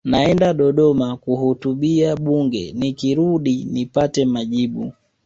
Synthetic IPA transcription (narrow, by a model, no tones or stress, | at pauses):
naɛndaɗɔɗɔmakuhutuɓiaɓuŋɡɛ̰nikiɾuɗinipatɛmaʄiɓu